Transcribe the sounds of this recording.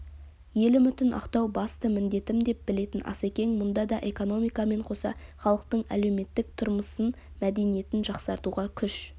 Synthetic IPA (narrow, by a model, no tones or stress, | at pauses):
je̞lɪmʏt̪ɪnʔɑ̰qt̪ɑwbɑst̪əmɪnd̪e̞t̪ɪmd̪e̞p̚bɪle̞t̪ɪnʔɑ̰sekʲe̞ŋmʊnd̪ɑd̪ɑʔe̞ko̞no̞mijkɑme̞ɴqʰo̞sɑ̰χɑlˠəq̚t̪əɴæ̰le̞wme̞t̪ːɪk̚t̪ʰʊɾməsən | mæd̪e̞nije̞t̪ɪnʒɑqsɑɾt̪uʁɑkʲʰʏʃ